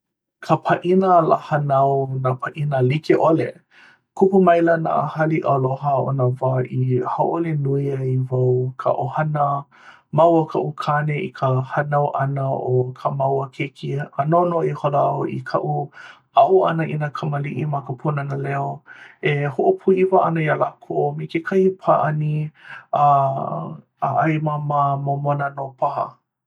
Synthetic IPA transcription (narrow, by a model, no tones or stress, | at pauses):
kʰəpʰaʔinəlahanawnapʰaʔinəlikeʔolḛ | kʰupumɐjlɐna̰ʔəhɐliʔɐloɦəo̰nəvaʔihawʔolenuiaivawkʰə̰ʔohɐnə | mawəkʰɐʔukʰaneikʰəhɐnawʔɐnəokʰəmawəkʰekʰianonoiholaoʔḭkʰɐʔu | aʔuɐnəʔinəkʰɐməliʔimakəpʰunanəlɛoehoʔopʰuivɐʔɐnəjalakʰomekekʰɐhipʰaʔɐnia | a̰ʔajmamamomonanopʰahɐ̰